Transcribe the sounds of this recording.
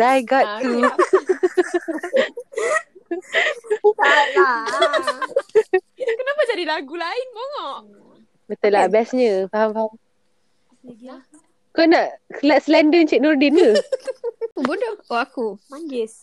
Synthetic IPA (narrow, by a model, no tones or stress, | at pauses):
dajɡat̪t̪u | aa | kənapad͡ʒadilaɡulaɪnboŋɔʔ | bət̪əlabɛsɲə̃faɦamfaɦam | kɔnaʔkəlaʔ̚slɛndənt͡ʃik̚nɔrdinə | bodɔoakumaɡɪs